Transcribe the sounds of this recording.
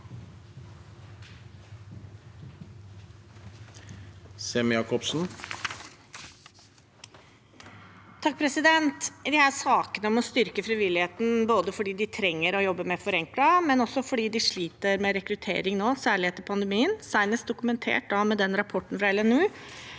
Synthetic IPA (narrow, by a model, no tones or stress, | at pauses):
seːmjɑːkʰɔbsn̩ | t̪ʰɑk̚ːpʰɾɛsɪd̪ɛnt̪d̪ɪhæːʂɑːkənəɔmɔst̪ʏɾkəfɾɪʋɪlɪheːt̪n̩boːd̪əfɔɖiːd̪ɪt̪ʰɾɛŋːəɾɔjɔbːəmɛfɔɾɛŋklɑmɛnɔsːɔfɔɖiːd̪ɪʂɭiːt̪əɾmɛɾɛkɾʉt̪ʰḛːɾɪŋnoːsæːɭɪeːt̪əpʰɑnd̪əmiːənsæɪnəs̚d̪ʊkʉmɛnt̪ʰḛːʈ̚d̪ɑmɛd̪ɛnɾɑpʰɔʈːɳ̩fɾɑɛlɛnʉː